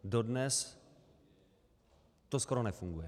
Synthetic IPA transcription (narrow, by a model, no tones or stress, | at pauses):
dodnɛs | t̪oskoɾonɛfuŋɡujɛ